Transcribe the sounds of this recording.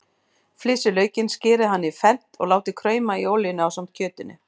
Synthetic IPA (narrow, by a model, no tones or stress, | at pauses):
flɪːsʏlœːɥcɪnscɪːɾɪɦanːɪfɛn̥t̪ɔ̰ɣlaːwt̪ɪkʰɾœːɥmaioːwlɪnʏawsam̥t̪̚cʰœːt̪ɪnːɪ̰